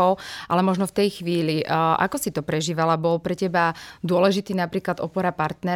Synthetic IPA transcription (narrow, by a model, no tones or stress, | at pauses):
ɔʊʔa̰lɛmɔʒnɔft̪ɛjxʋiːliʔa̰kɔsit̪ɔpɾɛʒiːʋalabɔlpɾɛcɛbad̪ʊɔlɛʒit̪iːnapɾiːklad̪ɔpɔɾapaɾt̪nɛ